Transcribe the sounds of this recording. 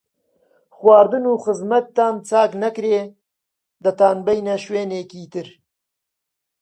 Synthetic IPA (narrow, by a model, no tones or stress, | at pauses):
xwaːɾd̪ɨnuːxɨzmɐt̪ːaːnt͡sʰaːknɐkɾeː | d̪ɐt̪aːnbɛjnɐʃweːneːkiːt̪ɨɾ